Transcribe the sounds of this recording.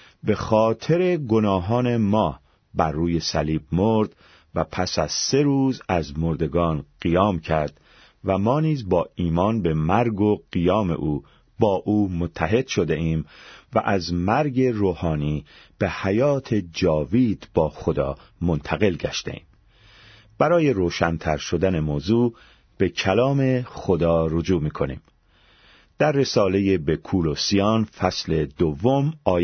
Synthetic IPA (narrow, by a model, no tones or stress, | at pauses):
be̞xɒːt̪ʰe̞ɾe̞ɡonɒːɦɒːne̞mɒː | bæɾːuːje̞sæliːbmoɾd̪ | væpʰæsæz̥se̞ɾuːzæzmoɾd̪e̞ɡɒːnɢijɒːmcʰæɾd̪̥ | væmɒːniːzbɒːiːmɒːnbe̞mæɾɡo̞ɢ̥ijɒːme̞̰ʔuː | bɒːʔuːmot̪ʰːæɦe̞d̪̥ʃo̞d̪e̞ʔiːmvæʔæzmæɾɡe̞ɾoːhɒːniːb̥ehæjɒːt̪ʰe̞d͡ʒɒːviːd̪̥b̥ɒːxod̪ɒ̰ːmo̞nt̪ʰæɣe̞lɟæ̰ʃt̪ḛʔḭːm | b̥æɾɒːje̞ɾoːʃænt̪ʰæɾʃo̞d̪æne̞moːzuː | b̥e̞cʰælɒːme̞xod̪ɒːɾod͡ʒuːmiːkʰo̞nḭːm | d̪̥æɾːe̞sɒːle̞jebekʰuːlosijɒːnfæsle̞d̪ovːomɒː